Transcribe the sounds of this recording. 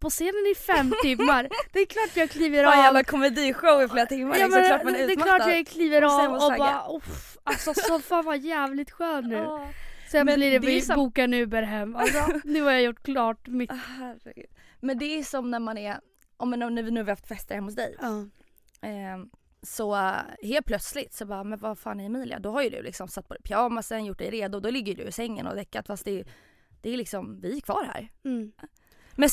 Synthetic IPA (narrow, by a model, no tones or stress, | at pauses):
pʰɔseːnənɪfɛmːt̪ʰɪmːaɾd̪̥ɛkʰlɑːʈjɑːɡkʰliːvəɾɑalakʰɔmɛd̪iːɧoʊɪfleːɾat̪ʰɪmːaɑːmɛnɑmanʉːɛmlɑːʈjɑɡkʰliːvəɾɑːɔbɑːʔʊf | asɔsɔfaːnvajæːvlɪt̪ɧøːnːʉ̟ːsɔɛablɪɾɛɪbuːkanʉ̟ːbɛɾɦɛmːasɔnʉ̟ːhaɾjajʊʈːkʰlɑːʈmɪhhæɾɛ̰ɡʉ̰ːd̪̥ | mɛnd̪ɛæʂɔmnæɾmanæɾ | ʔɔmɛnːnæɾvɪnʉːhavɪɾhaft̪fɛst̪əɾɛmːhʊs̬d̪ɛ̰j | sɔheːlt̪̚pʰlœt̪slɪt̪sɔbɑːmɛnvafaːnɛɪmiːlɪ̰a̰d̪ɔɦaɾjɵd̪ɵ̰lɪ̰ksɔmsat̪̚ːpɔd̪ɛpʰjɑːmasɛnjʊʈ̚ːd̪ɛ̰jɾeːd̪ʊd̪ɔlɪɡːəjɖɵ̰ɪsɛŋːə̰nɔ̰vɛkːat̪fast̪d̪ɛ | d̪̥ɛæɾlɪksɔmvɪæɾkʰvɑ̰ːɾhæ̰ːɾ | mɛn